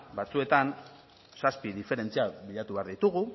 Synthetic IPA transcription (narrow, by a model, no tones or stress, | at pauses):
bat͡sue̞t̪an | saspiðife̞ɾe̞nt͡siaβiʎat̪uβe̞aɾðit̪uɣu